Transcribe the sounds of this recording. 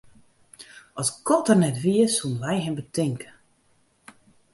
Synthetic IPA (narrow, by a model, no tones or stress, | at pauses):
ʔɔskɔtərnɛtʋiəsuənʋɛjɦɛmbətʰɪŋkə